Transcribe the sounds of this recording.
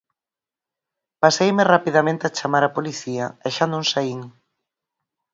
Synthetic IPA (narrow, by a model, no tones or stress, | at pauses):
pasejmerapiðamẽnt̪eat͡ʃamaɾapoliθiaeʃanũŋsaiŋ